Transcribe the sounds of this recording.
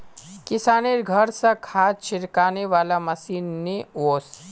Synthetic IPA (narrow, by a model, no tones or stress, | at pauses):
kisaneɾɡʱəɾsə̃kʰat͡ʃʰiɾkaneʋaːlaməsinːeos